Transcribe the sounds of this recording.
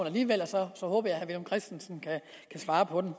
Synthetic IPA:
næliːʋel̰ɒsɒ̽sɒ̽hɔ̽ːb̥ɐjɑ̈hæʋelmkʰʁɛsd̥n̩snkʰæ | kʰæsʋɑ̈ːpʰɒ̽d̥em

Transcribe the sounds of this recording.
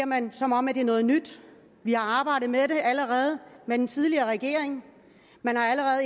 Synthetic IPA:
ɐmænsɒ̽mɒ̽m̰æd̥e̝ɐnɔ̽ːð̞̩ˠnyd̥ | ʋihɑ̈ɑ̈ːb̥ɑ̈ɪ̰d̥ð̩ˠmede̝ʔæləʁɛːð̞̩ˠmed̥ent͡sʰið̞ˠliɐːʁɛɡ̥e̝̰ɐ̰eŋ | mænhɑ̈æləʁɛːð̩ˠ

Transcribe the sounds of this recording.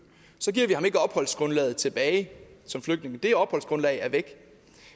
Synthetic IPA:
sɒ̽ɡiɐ̰ʋihɑ̈me̝ɡ̥əɒ̽b̥hɒ̽l̰sɡ̥ʁɔ̽nlɛ̰ːð̩ˠt͡sʰe̝b̥ɛːɪsɒ̽mfløɡ̥̚d̥ne̝ŋəd̥e̝ɒ̽b̥hɒ̽l̰sɡ̥ʁɔ̽nlɛɪæɐʋeɡ̥

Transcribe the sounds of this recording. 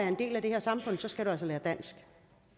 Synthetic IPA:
æɐe̝nd̥e̝̰ːlæd̥e̝heɐ̰sɑ̈mfɔ̽n̰sɒ̽sɡ̥æɾ̥uæl̰səlæːɐd̥æn̰sɡ̥

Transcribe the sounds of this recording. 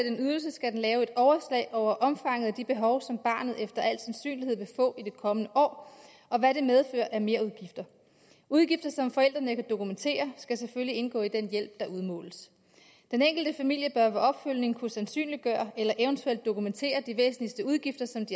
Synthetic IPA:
d̥enyðˠɐl̩s̬əsɡ̥æd̥en̩lɛːʊe̝d̥ɒʊɐslɛ̰ɪʔɒʊ̰ɐʔɒ̽mfɑ̈ŋ̰əð̩ˠæd̥ib̥e̝ɦɒ̽ʊsɒ̽mb̥ɑ̈ːnð̞̩ˠefd̥ɐæl̰sænsy̰ːnlihe̝ð̰ˠʋe̝fɔ̰̽ːid̥e̝kʰɒ̽mənəʔɒ̰ː | ɒ̽ʋæɾe̝með̞ˠfø̰ːɐʔæɐme̝ːɐuðˠɡ̥ifd̥ɐ | uð̞ˠɡ̥ifd̥ɐsɒ̽mfɒ̽el̰d̥ʁɐnəkʰæd̥o̝kument͡sʰe̝̰ːɐsɡ̥æseføllie̝nɡ̥ɔ̰̽ːid̥enjel̰b̥̚d̥ɑ̈ʔuðˠmɔ̰̽ːləs | d̥eneŋ̰ɡ̥l̩d̥əfæmil̰jəb̥ɶɐʋæɒ̽b̥føl̰ne̝ŋkʰusænsy̰ːnli̥ɡ̥ɶ̰ːɐʔelɐʔeʊnt͡sʰuel̰d̥ːo̝kument͡sʰe̝̰ːɐd̥iʋḛːsn̩lisd̥əuð̞ˠɡ̥ifd̥ɐsɒ̽md̥i

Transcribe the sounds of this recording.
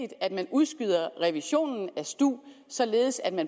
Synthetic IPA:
id̥æd̥mænuðˠsɡ̥yð̞̰ˠɐʁɛʋiɕo̝̰ːnn̩æsd̥ṵːsɒ̽le̝ːð̞̩ˠsæd̥mæn

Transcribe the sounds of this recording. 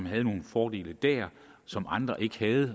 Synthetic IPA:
mɦæð̞̩ˠno̝ːn̩fɒːd̥e̝̰ːləd̥æɐ | sɒ̽mʔɑ̈nd̥ʁɐʔe̝ɡ̥əhæð̩ˠ

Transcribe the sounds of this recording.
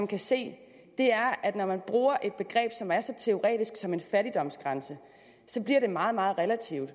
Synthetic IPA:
mkʰæse̝̰ː | d̥e̝æɐʔæd̥nɒmænb̥ʁuːɐʔe̝d̥̚b̥e̝ɡ̥ʁɛ̰ːb̥sɒ̽mæɐsɒ̽t͡sʰe̝o̝ʁɛ̰ːd̥isɡ̥sɒ̽me̝nfæɾid̥ɒ̽m̰sɡ̥ʁɑ̈nsə | sɒ̽b̥liɐɾ̥e̝mɑ̈ːð̞̩ˠmɑ̈ːð̩ˠʁɛlæt͡sʰiʊ̰d̥

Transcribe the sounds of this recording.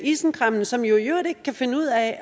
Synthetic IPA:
isn̩kʰʁɑm̰n̩sɒ̽mjo̝jøɐ̰ɾ̥e̝ɡ̥̚kʰæfe̝nəuð̰ˠæ

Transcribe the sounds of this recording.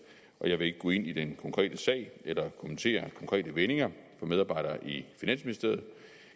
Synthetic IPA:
ʔɒ̽jɑ̈ɪʋe̝e̝ɡ̥əɡɔ̰ːe̝n̰id̥enkʰɒ̽ŋkʰʁɛ̰ːd̥əsɛ̰ɪ̰elɐkʰo̽mənt͡sʰe̝̰ːɐkʰɒ̽ŋkʰʁɛ̰ːd̥əʋene̝ŋɐfɒ̽með̞ˠɑːbɑ̈ɪ̰ɾ̥ɐːʔifinæn̰sminisd̥e̝ɐð̩ˠ

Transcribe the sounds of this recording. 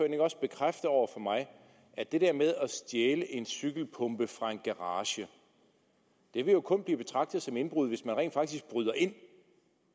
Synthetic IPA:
øɐne̝ŋɒ̽sb̥e̝kʰʁafd̥əɒʊ̰ɐfɒ̽mɑ̈ɪ | æɐd̥e̝d̥ɛɐ̰með̞ˠɒsd̥jeːləʔe̝nsyɡ̥l̩pʰɔ̽mb̥əfʁɑ̈e̝nɡ̥ɑʁɑːɕə | d̥e̝ʋe̝jo̝kʰɔ̽nb̥liːb̥e̝t͡sʰʁɑ̈ɡ̥̚d̥ð̞̩ˠsɒ̽me̝nb̥ʁuðˠʋe̝smænʁɛ̰ːnd̥fɑ̈ɡ̥̚d̥isɡ̥̚b̥ʁyðˠɐʔe̝n̰

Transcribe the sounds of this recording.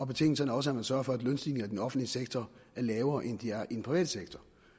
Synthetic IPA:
ɒ̽b̥e̝t͡sʰe̝ŋ̰d̥l̩sɒnɒ̽səæɐmænsɶɐfɒæd̥lønsd̥iːle̝ŋ̩æd̥enɒ̽fn̩dliəseɡ̥t͡sʰɒæɐlɛːʊɐːʔend̥iæɐʔid̥en̩pʰʁiʋɛ̰ːd̥əseɡ̥t͡sʰɒ

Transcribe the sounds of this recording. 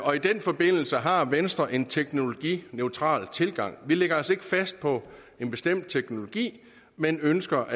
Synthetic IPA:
ʔɒ̽id̥enfɒ̽b̥e̝n̰l̩səɦɑ̈ʋensd̥ʁɐʔe̝nt͡sʰeɡ̥no̝lo̝ɡ̥ḭːneʊt͡sʰʁɑ̰̈ːlt͡sʰe̝lɡ̥ɑ̈ŋ̰ʋileɡ̥ɐɒ̽se̝ɡ̥əfæsd̥̚pʰɒ̽ | e̝nb̥e̝sd̥em̰d̥̚t͡sʰeɡ̥no̝lo̝ɡ̥ḭː | menønsɡ̥ɐʔ

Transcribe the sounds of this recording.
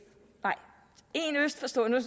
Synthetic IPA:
nɑ̈ɪ̰ | e̝nøsd̥fɒ̽sd̥ɔ̰ːnu

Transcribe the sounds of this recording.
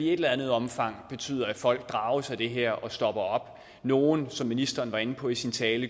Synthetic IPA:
ie̝d̥elæænð̞̩ˠɒ̽mfɑ̈ŋ̰b̥e̝t͡sʰy̰ːðˠɐæ̥fɒ̽l̰ɡ̥̚d̥ʁɑ̈ʊəsæɪd̥e̝ɦeɐ̰ʔɒ̽sd̥ɒ̽b̥ɐɒ̽b̥ | no̝ːnsɒ̽mːinisd̥ɐːnʋɑ̈e̝n̩pʰɒ̽isint͡sʰɛːlə

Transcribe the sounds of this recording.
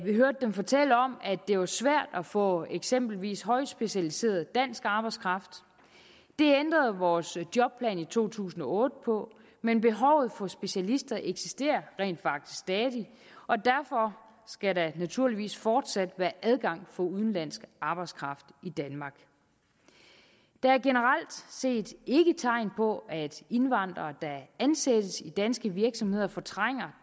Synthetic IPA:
ʋiɦøɐd̥ədemfɒ̽t͡sʰel̰əɒ̽mæd̥e̝ʋɑ̈sʋæɐ̰d̥æfɔ̰̽eɡ̥sem̰b̥l̩ʋḭːsɦɒ̽ɪ̥sb̥e̝ɕælise̝̰ːɐðˠd̥æn̰sɡ̥ɑ̈ːb̥ɑ̈ɪskʰʁɑ̈fd̥ | d̥e̝end̥ʁɐð̩ˠʋɒːsd̥jɒ̽b̥̚pʰlɛ̰ːnit͡sʰo̝̰ːt͡sʰṵːsn̩ɒ̽ɔ̽ːd̥əpʰɒ̽ | menb̥e̝ɦɒʊð̞̩ˠfɒ̽sb̥e̝ɕælisd̥ɐʔeɡ̥sisd̥e̝̰ːɐʁɛ̰ːnd̥fɑ̈ɡ̥̚d̥i̥sɡ̥sd̥ɛːðˠi | ʔɒ̽d̥æɐfɒ̽ | sɡ̥æɾɑnæt͡sʰuɐliʋḭːsfɒːd̥sæd̥ʋæːɐʔæð̞ˠɡ̥ɑ̈ŋ̰fɒ̽uð̞ˠn̩læn̰sɡ̥ʔɑ̈ːb̥ɑ̈ɪ̥skʰʁɑ̈fd̥id̥ænmɑ̈ːɡ̥ | d̥ɑ̈æɐɡ̥e̝nəʁal̰d̥se̝̰ːd̥e̝ɡ̥ət͡sʰɑ̈ɪ̰npʰɒ̽ʔæd̥e̝nʋɑ̈n̰d̥ʁɐːd̥ɑænsed̥əsid̥ænsɡ̥əʋiɐɡ̥sɒ̽mhe̝ð̰ˠɐfɒ̽t͡sʰʁaŋ̰ɐ

